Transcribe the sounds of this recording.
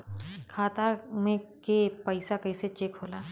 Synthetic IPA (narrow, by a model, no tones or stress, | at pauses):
kʰaːt̪amẽkepəɪsakɐiset͡ʃeːkɦoːlaː